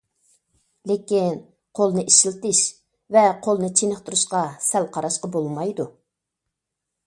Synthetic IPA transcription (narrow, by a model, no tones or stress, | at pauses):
lekʲin | qʰolˠnɨʔiʃilt̪ɪʃ | vɛqʰolˠnɨt͡ʃʰenəχt̪uɾuʃqɑsælqʰɑɾɑʃqɑbolˠmɑjd̪u